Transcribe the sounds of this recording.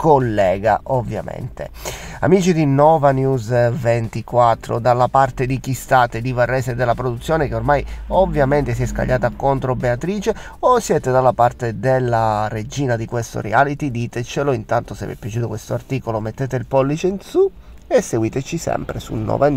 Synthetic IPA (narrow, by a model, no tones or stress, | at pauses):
kolːɛːɡaʔovːja̰mḛnt̪ḛ | a̰miːt͡ʃid̪inɔvanjuzvent̪ikwat̪ːɾo̰d̪alːapart̪ed̪ik̟ist̪aːt̪ed̪ivarːɛsed̪elːapɾod̪ut̪sːjoːnekeormajovːjament̪es̬iɛska̰ʎːaːt̪akont̪ɾobeat̪ɾiːt͡ʃe | osːjɛːt̪ed̪alːapart̪ed̪elːared͡ʒiːnad̪ikwest̪o̰ɾiaːlit̪id̪iːt̪et͡ʃeloint̪ant̪osḛvɛ̰pːjat͡ʃuːt̪okwest̪oart̪iːkolomet̪ːeːt̪eilpɔlːit͡ʃeinsu | esːeɡwiːt̪et͡ʃisɛ̰mpɾesṵnːɔ̰van